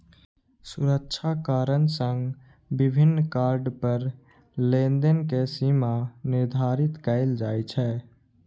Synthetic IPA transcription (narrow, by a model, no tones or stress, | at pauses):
sʊɾəkʃʰakaːɾənsə̃ŋɡ | bɪbʱɪnːkaːɾɖpəɾ | lẽːnd̪ənkesimanɪɾd̪ʱaːɾɪt̪kəɪld͡ʒaːet͡ʃʰɛː